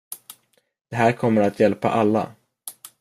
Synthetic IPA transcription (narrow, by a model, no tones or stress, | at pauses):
d̪̥ɛɦæːɾkʰɔmːəɾat̪jɛlpa̰ʔalːa̰